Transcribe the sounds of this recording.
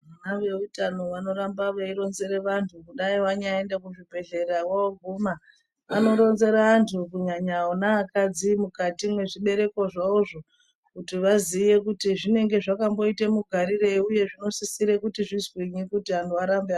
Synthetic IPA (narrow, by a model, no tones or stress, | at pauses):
ʋanaʋe̞utano̞ʋano̞ɾambaʋaiɾo̞nze̞ɾeʋantʰukuɗaiwaɲaendekuʐibʱe̞ɮe̞ɾawaoɡʱuːma | ʋano̞ɾo̞nze̞ɾaantʰukuɲaɲaonaːkad͡zimukatimwe̞ʐiɓe̞ɾe̞ko̞ʐauʐo̞ | kutiʋazije̞kutiʐine̞ŋɡe̞ʐakambo̞itemuɡʱaɾire̞iuje̞ʐino̞sisiɾekutiʐizwiɲikutiantʰuaɾambea